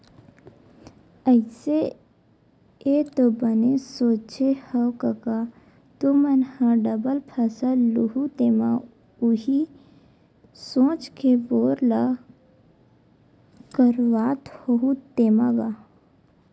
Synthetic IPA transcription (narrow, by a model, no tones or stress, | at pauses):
əɪse | et̪obənesoːt͡ʃehəwkɐka | t̪umənhãɖəbəlpʰɐsəluɦut̪eːma | uɦi | sõːt͡ʃkeboːɾla | kəɾʋaːt̪hoɦut̪eːmaɡa